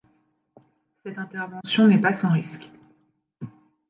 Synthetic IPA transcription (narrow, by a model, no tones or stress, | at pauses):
sɛt̪ɛ̃t̪ɛʁvɑ̃sjɔ̃nɛpasɑ̃ʁisk